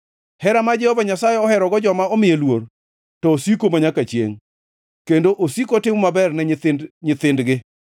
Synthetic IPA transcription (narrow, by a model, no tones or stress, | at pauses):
hɛɾamad͡ʒɛhovaɲasajeɔhɛɾɔɡɔd͡ʒɔmaɔmɪjelwor | tɔosikomaɲakat͡ʃjḛŋ | kendoʔosikotɪmɔmabɛrnɛɲɪt̪ɪndɡɪ